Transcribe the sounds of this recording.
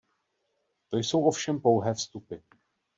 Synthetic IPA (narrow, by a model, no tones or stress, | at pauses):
t̪o̞jso̞wʔo̞fʃɛmpo̞wɦɛːfst̪upɪ